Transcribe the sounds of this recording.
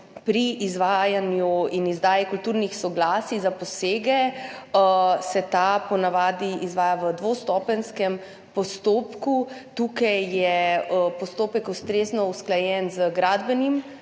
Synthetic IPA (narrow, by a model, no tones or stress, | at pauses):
pɾiːzʋajanjuinizd̪aːjikult̪uːɾnixsɔɡlaːsizapɔseːɡɛ | sɛt̪apɔnaʋaːd̪iizʋaːjaʋəd̪ʋost̪ɔːpənskɛm | pɔst̪oːpkut̪uːkajjɛpɔst̪oːpɛkust̪ɾeːznɔusklajɛnzəɡɾaːd̪bɛnim